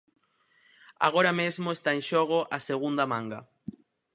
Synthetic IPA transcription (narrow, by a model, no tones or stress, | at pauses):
a̰ɣ̞oɾamezmoest̪aẽnʃoɣ̞oʔaseɣund̪amãŋɡa̰